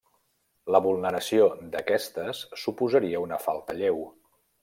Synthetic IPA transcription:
ləβulˠnəɾəsiod̪əkɛst̪əsːupuzəɾiəunəfalˠt̪əʎew

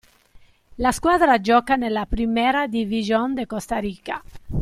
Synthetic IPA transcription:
laskwad̪ɾad͡ʒɔkanelapɾimɛɾad̪ivizjond̪ekost̪aɾika

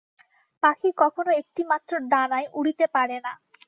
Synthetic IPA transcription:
pakikɔkʰonoek̚ʈimat̪ːɾoɖanajʔuɽit̪epaɽena

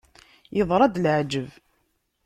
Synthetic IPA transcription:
jəðˤɾˤɑd̪lʕd͡ʒəv

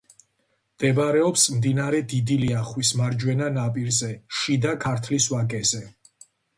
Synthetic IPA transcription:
md̪̥ɛbɾɛɔpsmd̪inaɾɛd̪id̪iliaχwismaɾd͡ʒwɛnanapʼiɾzɛʃid̪akʰaɾt̪ʰliswaɡʼɛzɛ

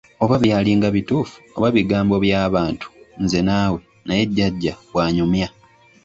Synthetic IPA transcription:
o̞βaβjaːliŋɡaβituːfu̥oβaβiɡaːmbo̞βjaːβaːntu̥nze̞naːwe̞ | naje̞ɟːaɟːaβwaːɲumja

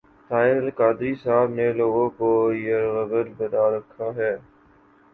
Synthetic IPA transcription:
t̪ʰaːɪlkaːd̪ɾiːsaːbnẽːloːɡoːkoːiəɾɣəbəlbəɗaːɾəkʰːaːɦɛː

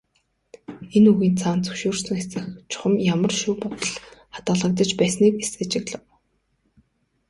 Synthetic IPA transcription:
enuɣiːnt͡sʰaːnt͡sɵ̥wʃuːrsə̆ŋxesɘ̆xt͡ɕʰʊ̥χə̆mjamə̆rʃuːpɔt̪ɞ̆ɮχḁt̪ɢə̆ɮə̆k̚t̪ə̆t͡ɕpæːsniːkeset͡ɕɪ̆kɮə̆w

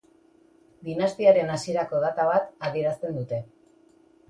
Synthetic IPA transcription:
d̪inast̪iaɾe̞nasie̞ɾakoðat̪aβ̞at̪aðie̞ɾast̪e̞nd̪ut̪e̞

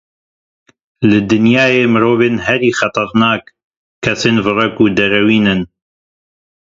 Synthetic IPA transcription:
lɨd̪ɨnjaːjeːmɨɾoːveːnɦɛɾiːxɑt̪ˤɨɾnaːk | kʰːɛseːnvɨrɛkuːd̪ɛɾɛwiːnɨn

